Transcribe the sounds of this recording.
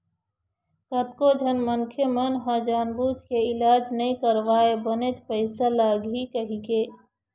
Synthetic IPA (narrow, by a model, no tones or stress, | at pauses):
kət̪kod͡ʒʱənməŋkʰjemənɦə̃d͡ʒaːnbuːt͡ʃkeɪlaːd͡ʒnəĩkəɾʋaːebənet͡ʃpəɪsalaːɡɦikəɦikeː